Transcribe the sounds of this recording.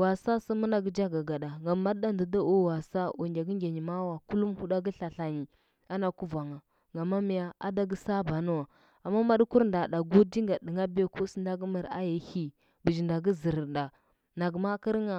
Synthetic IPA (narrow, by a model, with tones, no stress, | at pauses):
wa˨sa˦sa˦mu˦na˨ɡə˦d͡ʒa˦ɡa˨ɡa˨da˨ŋɡa˨ma˦ɗa˦ndə˨da˦u˦wa˨sa˦ʔu˨nd͡ʒa˨ɡi˦ŋɡʲe˨ɲi˨ma˦wa˨ku˦lu˦mhu˦da˦ɡə˦ɬa˨ɬa˨ɲi˨ | a˦na˨ku˦va˨ŋa˨ | ŋɡa˨ma˦mi˨ja˨a˦da˦ɡə˦sa˦ba˨nu˦wa˨ | a˨mːa˦ma˦ɗku˦ɾnda˨ɗa˨ɡu˦di˦ŋɡa˨ɗi˨ŋa˦be˦ku˦si˦nda˦ɡmə˨ɾa̰˦ja˨˦hi˦ | bə˨d͡ʒi˨nda˨ɡə˦zi˨ɾnda˨ | na˨ɡma˦ki˦ɾŋa˨